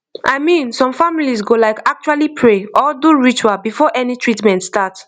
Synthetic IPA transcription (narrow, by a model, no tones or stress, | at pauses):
ʔaɪmĩnsɔ̃mfamilizɡolaɪkak̚t͡ʃualipʰɹeɔduɹit͡ʃwabifɔʔɛnitʰɹitmɛ̃ntstats